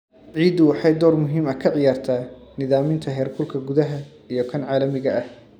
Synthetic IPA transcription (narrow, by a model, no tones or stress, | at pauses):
ʕiːd̪ʊwɑħɑjd̪ɔːrmʊɦiːmɐkʰɐʕɪjaːrt̪ʰaːnɪðaːmɪnt̪ʰɐɦɛːrkʰʊlkʰɐɡʊðɐɦɐ | ijɞkʰɐnʕɑːlɐmɪɣɐʔɐh